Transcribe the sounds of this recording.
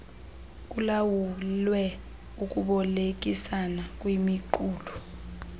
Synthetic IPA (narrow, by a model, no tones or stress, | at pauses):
k̬ʼulawulwɛ | uk̬ʼuɓɔlek̬ʼisanak̬ʼwimiǃuːlu